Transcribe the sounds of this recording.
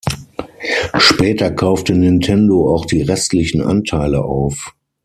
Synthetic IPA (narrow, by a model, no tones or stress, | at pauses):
ʃpɛːtɐkʰaʊftənɪntʰɛndoaʊxd̥iːʁɛstlɪçn̩ʔa̰ntʰaɪləʔa̰ʊf